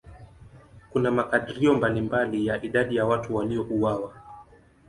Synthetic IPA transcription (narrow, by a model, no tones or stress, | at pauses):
kunamakaɗiɾiɔmbalimbalijaʔiɗaɗijawatuwaliɔʔuwawa